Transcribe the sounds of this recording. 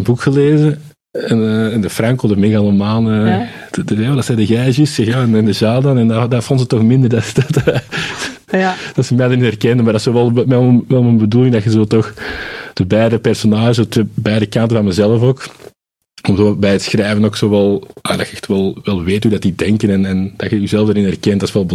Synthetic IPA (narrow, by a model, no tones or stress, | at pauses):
ənbukxəleːzə | ɛnəɛndəfrɑŋkoːdəmɪɣɑlˠəmaːlˠəː | adɑtsɛdəɣɛːʒɪsɛxjaːɛnɛndəʒaːdɑnɛndadaːrfɔntzətːɔxmɪnd̪ərdɑsdt | d̥ɑtsəmɛːdənitɛrkɛndənmardɑtsoːʋɛlˠɛmɛəwɛlˠmənbəduːlɪŋdɑxəzoːtɔxd̥əbɛːdəpɛrsonaːʒətebɛːdəkɑntənvɑnmɛzɛləfoːk | ɔmzoːbɛjətsxrɛːvənoːksoːʋɛlˠja̰ːdɑ̰xəɛxtʋɛlˠʋɛlˠʋeːthuːdatidɛŋkənɛnɛnd̥ɑxəyzɛləvdaɾɪnɛrkɛntdɑsʋɛlˠbə